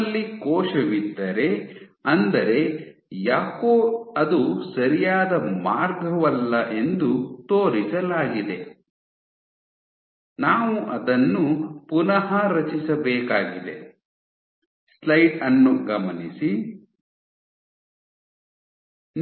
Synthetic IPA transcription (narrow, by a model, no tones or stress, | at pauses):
lːikɔːʃɐʋid̪ːɐɾe̞ɐnd̪ɐɾe̞ | jaːkoːɐd̪usɐɾijaːd̪ɐmaːɾɡʱɐʋɐlːɐʔe̞nd̪ut̪oːɾisɐlaːɡid̪e̞ | naːʋuʔɐd̪ɐnːupunɐɦɐɾɐt͡ʃisɐbɛːkaːɡid̪e̞̰ | slɐjʈɐnːuɡɐmɐnisi